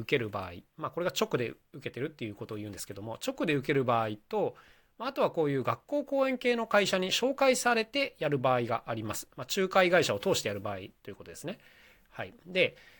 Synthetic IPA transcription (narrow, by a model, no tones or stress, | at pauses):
ɯ̟ke̞ɾɯ̟ba̰ːḭmaːko̞ɾe̞ɡat͡ɕo̞kɯ̟d̪e̞ | ɯ̟ke̞t̪e̞ɾɯ̟t̪ːe̞jɯ̟ːko̞t̪oːiɯ̟̃ːnd̪e̞ske̞d̪o̞mo̞t͡ɕo̞kɯ̟d̪e̞ɯ̟ke̞ɾɯ̟baːit̪o̞ | maːt̪o̞β̞ako̞ːjɯ̟ːɡakːo̞ːko̞ːẽ̞ŋke̞ːno̞kaiɕaɲ̟iɕo̞ːkaisaɾe̞t̪e̞jaɾɯ̟baːiɡa̰ʔaɾʲimasɨ̥mat͡ɕɨːkaiɡaiɕao̞t̪o̞ːɕi̥t̪ejaɾɯ̟baːḭt̪o̞jɯ̟kot̪od̪e̞sɨne̞ | haid̪e̞